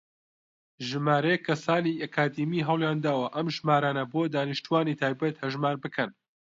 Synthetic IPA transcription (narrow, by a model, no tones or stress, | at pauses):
ʒɨmaːɾɐjekʰːɐsaːniʔɐkʰaːd̪imiɦɐwljaːnd̪aːwɐʔɐmʒmaːɾaːnɐboːd̪aːnɨʃt̪uwaːnit̪ʰaːjbɐt̪hɐʒmaːɾbɨkʰɐn